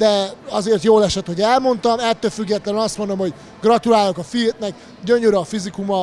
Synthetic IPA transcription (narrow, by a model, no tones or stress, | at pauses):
d̪ɛɒzeːrt̪joːlɛʃɛt̪ho̞ɟɛlmo̞nt̪ɒmɛt̪ːøːlfyɡːɛt̪lɛnynɒst̪mond̪o̞mho̞ɟ | ɡrɒt̪ulaːlokɒfit̪nɛk | ɟøɲøɾɛːfizikumɒ